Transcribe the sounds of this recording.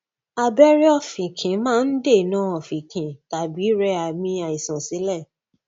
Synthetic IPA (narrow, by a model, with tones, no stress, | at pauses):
a˨bɛ˦ɾi˦ɔ˦fĩ˨kʰĩ˨˦mãː˦˧n̩˦de˦˨nã˦ɔ˨fĩ˨kʰĩ˨ta˨bi˨˦ɾɛ˧a˨mĩ˧a˨i˨sã˨sĩ˨˦lɛ˦˨